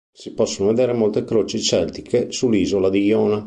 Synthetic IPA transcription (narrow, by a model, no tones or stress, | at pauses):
sipɔsːonoved̪eːɾemolt̪ekɾoːt͡ʃit͡ʃɛlt̪i̥kʰesulːiːzolad̪ijɔːna